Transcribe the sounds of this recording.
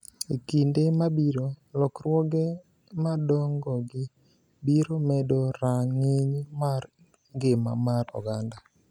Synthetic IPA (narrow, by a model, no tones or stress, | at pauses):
ekindemabiɾolɔkrwɔɡe | madɔŋɡɔɡɪ | biɾomɛdoɾaŋiɲmar | ŋɡema̰marɔ̰ɡanda